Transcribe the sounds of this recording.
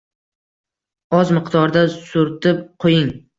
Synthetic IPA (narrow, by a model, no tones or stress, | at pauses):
ɒzmɨqd̪ɒɾd̪asʊɾt̪ɪp̚qʰojɪŋ